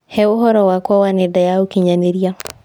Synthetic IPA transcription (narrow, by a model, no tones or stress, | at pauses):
hɛʊɦɔɾɔwakwɔwanedajaokiɲaneɾia